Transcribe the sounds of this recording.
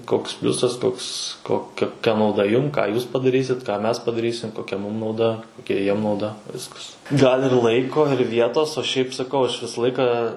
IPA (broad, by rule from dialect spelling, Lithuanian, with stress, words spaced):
ˈkoːks ˈpʲlʲʊsɐs ˈkoːks koː koːˈkʲɛ nɐʊˈdɐ ˈjʊm kɑː ˈjuːs pɐdɐˈrʲiːsʲɪt kɑː ˈmʲɛs pɐdɐˈrʲiːsʲɪm koːˈkʲɛ ˈmuːm nɐʊˈdɐ koːˈkʲɛ ˈjiɛm nɐʊˈdɐ ˈʋʲɪskɐs ɡɐlʲ ɪr ˈlˠɐɪkoː ɪr ˈʋʲiɛtoːs oː ˈʃʲɛɪp sɐˈkɐʊ ɐʃ ˈʋʲɪsɐ ˈlˠɐɪkɐ